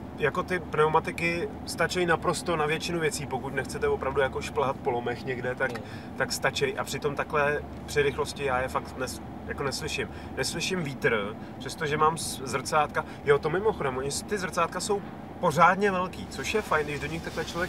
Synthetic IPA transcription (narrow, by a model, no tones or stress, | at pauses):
jako̞t̪ɪpnɛomat̪ɪkɪ | st̪at͡ʃɛjnapɾo̞st̪o̞navjɛt͡ʃɪnuvjɛt͡siːpo̞kuc̪nɛxt͡sɛt̪ɛvopɾavdujako̞ʃplaɦat̪̚po̞lo̞mɛxɲɛɡdɛt̪ak | t̪akst̪at͡ʃɛjʔa̰pr̥ɪt̪o̞mt̪aklɛː | pr̥ɪɾɪxlo̞scɪjaːjɛfakt̪nɛs | jako̞nɛslɪʃɪm | nɛslɪʃɪmviːt̪r | pr̥ɛst̪oʒɛmaːmszr̩t͡saːt̪ka | jot̪o̞mɪmo̞xo̞dɛmʔoɲɪst̪ɪzr̩t͡saːt̪kaso̞w | po̞zaːdɲɛvɛlkiːt͡so̞ʃjɛfajndɪʒdoɲɪxt̪aklɛt͡ʃlovjɛk